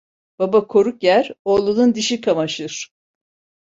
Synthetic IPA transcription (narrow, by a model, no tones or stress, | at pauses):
b̥abakʰo̞ɾukjæɾolˠunund̪iʃikʰamaʃɯɾ̥